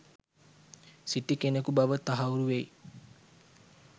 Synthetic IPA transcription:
siʈikenekubaʋət̪aɦauɾuʋej

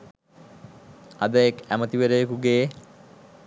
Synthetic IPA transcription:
a̰d̪əjekæmət̪iʋeɾejekuɡeː

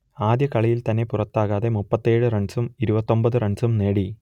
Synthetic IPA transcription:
aːd̪jɐkɐɭijilt̪ɐnːe̞purɐt̪ːaːɣaːðe̞mupːɐt̪ːe̞ːɻɨrɐɳsumiɾubɐt̪ːo̞mbɐðɨrɐɳsumne̞ːɽi

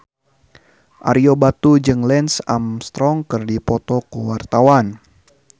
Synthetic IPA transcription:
ʔa̰ɾiobat̪ud͡ʒɨŋlɛnsamst̪ɾɔŋkɨrdipɔt̪ɔkəwart̪awan

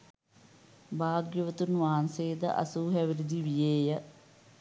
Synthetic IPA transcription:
bʱaːɡjɐʋɐt̪unʋaːnseːd̪ɐ̰ʔɐ̰suːɦɐʋiɾud̪ʱiʋijeːjɐ

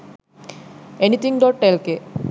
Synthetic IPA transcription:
enit̪ʰiŋɖɔʈ̚ʈelke

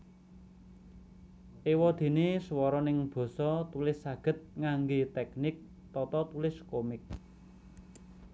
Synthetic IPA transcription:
ʔewɔd̪̥e̤neswɔɾɔnɪŋb̥ɔ̤sɔt̪ulɪsːaɡ̥ə̤t̪̚ŋaŋɡet̪ɛk̚nɪk̚ | t̪ɔt̪ɔt̪ulɪskomɪk̚

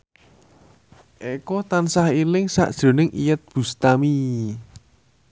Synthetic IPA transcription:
ʔekɔt̪ansahilɪŋsa̰ʔd̥ʒ̥ɾo̤nɪŋʔijət̪̚b̥ṳst̪ami

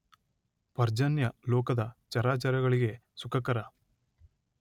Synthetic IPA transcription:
pɐɾd͡ʒɐnjɐlɔːkɐd̪ɐt͡ʃɐɾaːt͡ʃɐɾɐɣɐɭiɡe̞sukʰɐkɐɾɐ

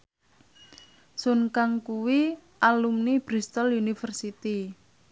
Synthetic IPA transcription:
sunkaŋkuwiʔalumnib̥ɾist̪ɔlunifərsit̪i

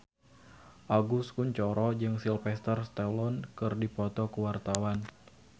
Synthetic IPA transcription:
ʔaɡuskuɲt͡ʃɔɾɔd͡ʒɨŋsilfɛst̪ərst̪ɛlɔnkɨrdipɔt̪ɔkuwart̪awan

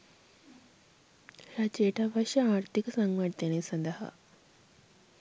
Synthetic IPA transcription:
jat͡ɕeʈaʋaɕiaɾt̪iksaŋɡʋaɽt̪eñesənd̪əɦa̰

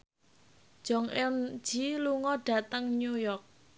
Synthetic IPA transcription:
d̥ʒ̥ɔ̤ŋɛn̥d͡ʒ̥iluŋɔɖ̥ä̤t̪əŋɲujɔk̚

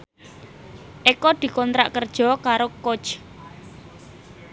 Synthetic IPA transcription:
ʔekɔd̪̥i̤kɔnt̪ɾaʔkərd̥ʒ̥ɔ̤kaɾoko̥t͡ʃ

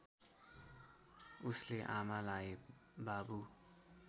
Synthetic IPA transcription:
usleʔamalaj | babu

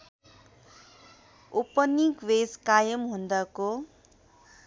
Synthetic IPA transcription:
upʌnikweskajʌmɦund̪ʌko

